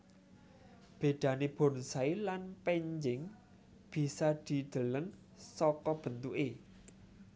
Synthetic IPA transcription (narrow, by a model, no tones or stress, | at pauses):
b̥e̤ɖ̪̥a̤neb̥o̤nsailanpɛɲd͡ʒɪŋ | b̥i̤sad̪̥i̤d̪̥ə̤ləŋ | sɔkɔb̥ə̤nt̪uʔe